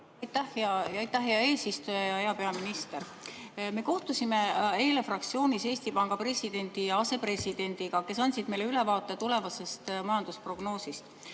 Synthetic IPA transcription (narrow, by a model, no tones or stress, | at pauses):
ɑjt̪ːæhjɑɑjt̪ːˑæhɦeɑe̞ːsist̪ujɑjɑhe̞ɑpe̞ɑminist̪e̞ɾ | me̞ko̞ht̪usime̞e̞ːle̞frɑk̚t̪sio̞ːnʲise̞ːsʲt̪ipɑŋɡ̥ɑpre̞sid̪e̞nʲd̪̥ijɑɑse̞pre̞sid̪̥e̞nʲd̪̥iɡɑke̞sɑnʲsid̪me̞jle̞yle̞vɑːt̪ˑːe̞t̪ule̞vɑse̞st̪mɑjɑnd̪̥uspro̞ɡ̥no̞ːsist̪